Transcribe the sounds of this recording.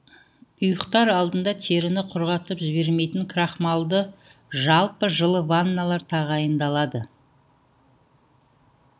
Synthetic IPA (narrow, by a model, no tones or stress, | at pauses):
ʊjəqt̪ɑɾɑlˠd̪ənd̪ɑt̪ʰe̞ɾɪnɪqʰʊɾʁɑt̪əpʒɪβe̞ɾme̞jt̪ɪŋkʰrɑχmɑlˠd̪ə | ʒɑlˠpəʒəlˠəvanːalˠɑɾt̪ʰɑʁɑjənd̪ɑlˠɑd̪ə